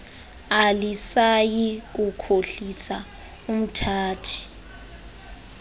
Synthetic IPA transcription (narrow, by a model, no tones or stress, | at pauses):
alisajik̬ukʰoɬisa | um̩tʰaːtʰi̥